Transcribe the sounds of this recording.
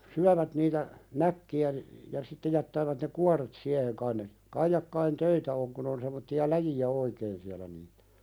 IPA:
syæʋæt niːtæ nækːiæ ni jɑ sitːe jætːæːʋæt ne kuɑret siæheŋ kɑin ne kɑijɑkːɑin tøitæ oŋ kun on semˑotːiɑ læjiæ oikeːn siælæ niːtæ̥

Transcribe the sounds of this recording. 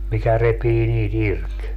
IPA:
mikæ repiː niːt irk

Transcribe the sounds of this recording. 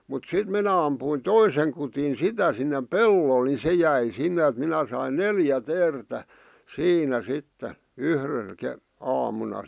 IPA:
mut sit minæ ɑmpuin toiseŋ kutin sitæ sinːem̆ pelːol ni se jæi sinːe æ̆t minæ sɑin neljæ teːrtæ siːnæ sitːe yhr̩l ke ɑːmunɑ

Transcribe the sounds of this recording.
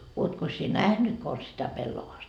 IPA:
uotkos sie næhnyt kons sitæ pelːoʋɑːst

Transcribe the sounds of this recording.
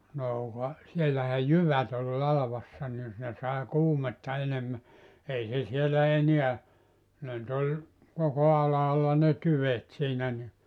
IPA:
noː kɑ sielæhæ jyʋæt ol lɑlɑʋɑsːɑ ni ne sɑˑe kuːmetːɑ enemːæ ei se sielæ eniæ ne ny̆t olʲ koko ɑlɑːlːɑ ne tyʋet siːnæ ni

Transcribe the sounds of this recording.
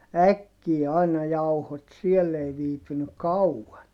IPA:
ækːiː ɑinɑ jɑuhot siɛlː ei ʋiːpynyk̆ kɑuɑn

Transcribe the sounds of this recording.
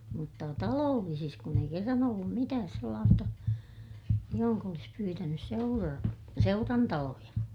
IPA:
mutːɑ tɑloːlːisis kun ei kerːɑn olːum mitæːs selːɑːstɑ johoŋk olis pyːtænys seurɑ seurɑntɑlojɑ

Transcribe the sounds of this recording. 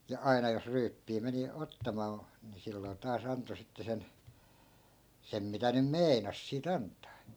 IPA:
jɑ ɑinɑ jos ryːpːiː meni otːɑmɑː ni silːoi̯ tɑːs ɑnto sitːe sen sem mitæ nym mei̯nɑs siːt ɑntˑɑː

